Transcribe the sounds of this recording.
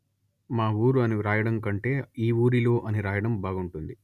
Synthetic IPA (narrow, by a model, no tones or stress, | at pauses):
maːuːɾuɐniɾaːjɐɽɐŋkɐɳʈe̞ːiːuːɾilo̞ːʔɐniɾaːjɐɽɐmbʱaːɡuɳʈund̪i